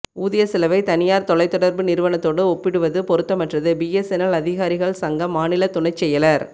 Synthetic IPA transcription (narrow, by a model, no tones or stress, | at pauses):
uːðɐjɐsɪlɐʋɐɪt̪ɐnɪjaːɾt̪ɔlɐɪt̪ːɔɽɐɾbɯnɪɾɯʋɐnɐt̪ːoːɽɯɔpːɪɽɯʋɐðɯpɔɾɯt̪ːɐmɐʈrɐðɯbijɛsɛnɐlɐðɪɣaːɾɪɣɐɭsɐŋɡɐmːaːnɪlɐt̪ʊɳɐɪt͡ʃːɛjːɐlɐɾ